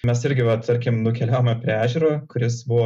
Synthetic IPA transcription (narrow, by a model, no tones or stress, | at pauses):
mʲɛsɪɾʲɡʲɪʋɐt̪ɐɾʲkʲɪmnʊkʲɛlʲæːoːmʲɐpʲɾʲɪæːʒʲuɾoːkʊɾʲɪsbʊʋoː